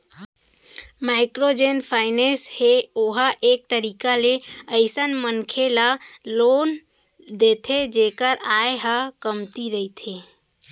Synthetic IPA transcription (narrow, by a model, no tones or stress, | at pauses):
maɪkɾod͡ʒenpʰaɪnesheoɦaʔek̚t̪əɾikaleəɪsənmənkʰelalon | d̪et̪ʰed͡ʒekəɾaeɦakəmt̪iɾəit̪ʰe